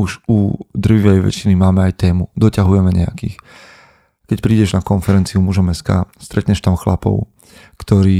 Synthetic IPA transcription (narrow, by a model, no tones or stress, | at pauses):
uʒud̪r̩ʋiʋɛjʋɛ̰t͡ʃinimaːmɛajt̪ɛːmud̪ɔcaɦujɛmɛɲɛa̰kḭːx | kɛcpɾiːɟɛʒnakɔnfɛɾɛnt͡siumuʒɔmɛska̰ːst̪ɾɛt̪ɲɛʃt̪amxlapɔ̰ʊ | kt̪ɔɾiː